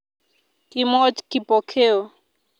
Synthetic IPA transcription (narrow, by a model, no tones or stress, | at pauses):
kimɔt͡ʃkipɔkʰeo